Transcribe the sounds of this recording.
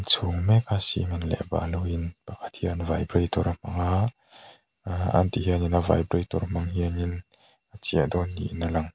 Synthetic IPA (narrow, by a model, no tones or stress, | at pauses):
nt͡sʰuŋmɛkʰasḭmɐnlɛ̰ʔba̰ʔluwinpakʰḁt̪̚hiʔanvajbrejt̪ɔɾm̥ɐŋaʔ | a̰nt̪iɦiəninava̰jbrejt̪ɔɾm̥ɐŋhiənin | at͡siəʔd̪ɔnːḭʔnalɐŋ